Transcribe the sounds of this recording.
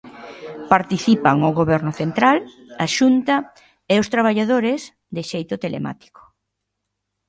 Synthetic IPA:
paɾt̪iθipaŋʊɣoβɛɾnʊθent̪ɾal | aʃunt̪ɐ | ɛʊst̪ɾaβaʎaðoɾɪz | d̪ɪʃejt̪ʊt̪elḛma̰t̪i̥kʊ̥

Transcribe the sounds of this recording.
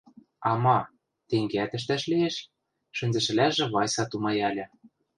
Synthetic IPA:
ɑmɑ | t̪eŋɡeæt̪ɘ̆ʃ̬t̪æʃlieʃ | ʃɘ̆nʲzɘ̆ʃɘ̆læʒĕβɑjsɑt̪umɑjælʲɤ̆

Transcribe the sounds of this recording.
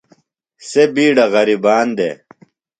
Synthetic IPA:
sebiːɖɐɣɐɾibaːnd̪ḛ

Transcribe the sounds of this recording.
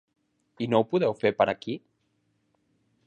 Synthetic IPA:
inowpuðɛwfepəɾaki

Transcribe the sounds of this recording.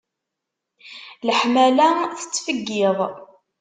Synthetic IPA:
ləħmælæθə̥t͡sːfəɡːɪðˤ

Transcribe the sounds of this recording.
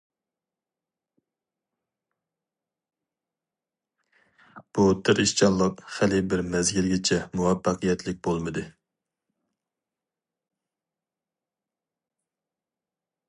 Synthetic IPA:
b̥ut̪ʰɪɾiʃt͡ʃɑnlˠɑqχælɪbɪɾmɛzɡʲilɡʲɛt͡ʃʰɛmuwɛpːɑqʰɨjɛt̪lɪk̚ʲbolˠmɨd̪ɨ

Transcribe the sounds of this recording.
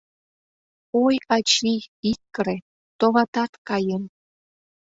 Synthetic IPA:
ojɑt͡ɕiit̚kəɾe | t̪oβɑt̪ɑt̪kɑjən

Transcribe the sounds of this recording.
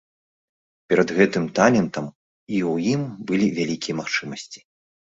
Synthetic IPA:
pʲɛɾɐd̪ɣɛt̪ɨmt̪alʲɛnt̪ɐm | iwjimbɨlʲivʲalʲikʲijɛmaxt͡ʂɨmɐsʲt͡sʲi̥

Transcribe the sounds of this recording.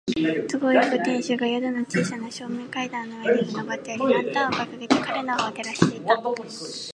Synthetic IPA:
t͡sɨɡojokɯ̟t̪ẽ̞ɰ̃ɕoɡajad̪onot͡ɕiːɕanoɕo̞ːmẽŋkaid̪ãnːoenek̪od̪obat̪ːeaɾʲinat̪ːaoɡakaɡet̪ekaɾenaoβat̪e̞ɾaɕi̥t̪e̞it̪a

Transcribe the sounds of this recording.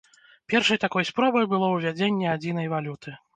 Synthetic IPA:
pʲɛrʂɐjt̪akɔjspɾɔbɐjbɨlˠɔwvʲad͡zʲenʲːɛad͡zʲinɐjvalʲut̪ʰɨ

